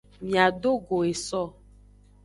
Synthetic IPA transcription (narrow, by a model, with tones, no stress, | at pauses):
mĩ˨a˨ɖo˦ɡo˨e˨sɔ˦˨